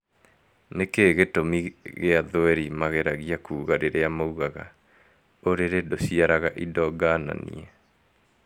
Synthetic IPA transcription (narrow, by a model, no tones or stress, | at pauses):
nekeɣetomiɣeaðoɛɾimaɣeɾaɣiakʰuːɣaɾeɾeamouɣaɣa̰ | oɾeɾedosiaɾaɣaʔidɔɡaːna̰nḭɛ